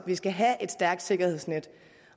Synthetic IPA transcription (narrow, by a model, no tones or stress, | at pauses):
ʋisɡ̥æɦæʔe̝d̥sd̥æɐɡ̥̚d̥se̝ɡ̥ɐhe̝ð̰ˠsned̥